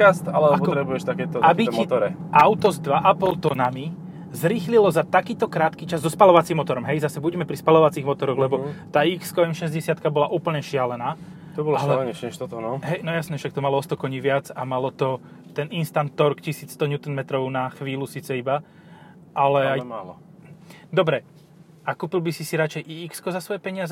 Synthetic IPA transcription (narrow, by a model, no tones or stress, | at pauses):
ast̪alɛpɔt̪ɾɛbujɛʃt̪akɛːt̪ɔabiɛmt̪ɔɾɛʔaʊt̪ɔzd̪ʋaʔapɔlt̪ɔnami | zɾixlilɔzat̪akiːt̪ɔkɾaːt̪kit͡ʃazːɔspalɔʋat͡simːɔt̪ɔɾɔmɦɛjzasɛbuɟɛmɛpɾispalɔʋat͡siɣmɔt̪ɔɾɔɣlɛbɔt̪aːikskɔɛmʃɛzɟɛsɪat̪kabɔlaʔuːpl̩ɲɛʃɪalɛnaː | t̪ɔbɔlalɛɲɛt͡ʃɛʃt̪ɔt̪ɔnɔɦɛjnɔjasnɛfʃak̚t̪ɔmalɔɔst̪ɔkɔɲiːʋɪad͡zamalɔt̪ɔ | t̪ɛninst̪ant̪ːɔɾkcisiːt͡sst̪ɔɲuːt̪ɛnmɛt̪ɾɔʊnaxʋiːlusiːt͡sɛiba | ʔalɛajma̰lɔ̰ | d̪ɔbɾɛ | ʔakuːpilˠbisisiɾat͡ʃɛjʔiikskɔzasʋɔjɛpɛɲɪazɛ